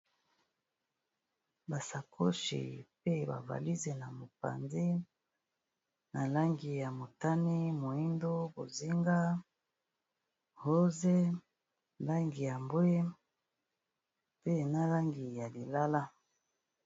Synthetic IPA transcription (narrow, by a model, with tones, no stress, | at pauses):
ba˨sa˨kʰo˦ʃḭ˨pe˦ba̰˨va̰˨li˦ze˨na˨mo˨pa̰˨nzi˦ | na˨la˦ŋɡi˨ja˨mo˨ta˦ni˦mo˨i˦ndo˦bo˨zi˦ŋɡa˦ | ho˦ze˦ | nla˦ŋɡi˨ja˨mbwe˦ | pe˦na˨la˦ŋɡi˨ja˨li˨la˦la˦